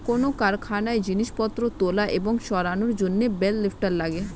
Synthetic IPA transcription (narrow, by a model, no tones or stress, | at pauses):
konokaɾkʰanaed͡ʑiniʃpɔt̪ːɾot̪olaʔeboŋʃɔɾanoɾd͡ʑonːebelːefʈaɾlaɡe